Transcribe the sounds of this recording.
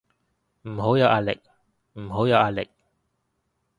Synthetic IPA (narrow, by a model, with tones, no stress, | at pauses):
m̩˨˩ɦo˨˥wjɐ˨˧wʔaː˧lɪ̰˨˩k̚ | m̩˨˩ɦo˨˥wjɐ˨˧wʔaː˧lɪ̰˨k̚